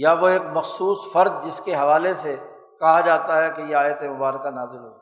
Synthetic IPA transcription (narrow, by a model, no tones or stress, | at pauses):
jaʋoeːkmɐxsuːsfɐɾd̪̚d͡ʒɪskeɦɐʋaːlese | kɐɦad͡ʒaːt̪aɦɛkejeaːjət̪emʊbaːɾkanaːzɪlɦoː